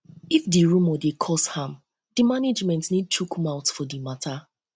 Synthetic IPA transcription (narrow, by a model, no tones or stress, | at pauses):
ifdiɹumɔdekʰɔshãm | dimaned͡ʒmɛ̃ntnid̚t͡ʃukmãwtfɔdimatʰa